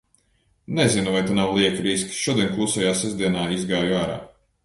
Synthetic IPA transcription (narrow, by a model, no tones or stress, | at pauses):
nɛzinuvajt̪anawlˠiɛkɾiskʲʃuɔd̪iɛnʲklˠusajaːsɛzd̪iɛnaːizɡaːjuaːɾa̰ː